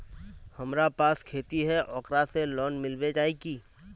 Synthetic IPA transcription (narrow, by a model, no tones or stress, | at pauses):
hɐmɾapaːskʰeːt̪iɦɛʔɔːkɾaselɔːnmɪlwed͡ʒaːekiː